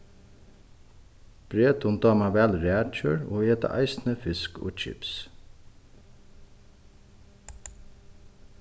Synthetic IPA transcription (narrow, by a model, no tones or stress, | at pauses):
b̥ɾeːt̪ʊnd̪ɑːmɑʋælɾeæɾc͡çøːɹo̰ːeːt̪ə̰ʔɑ̰ɪsnəfɪsko̰ːt͡ʃʰɪ̰ps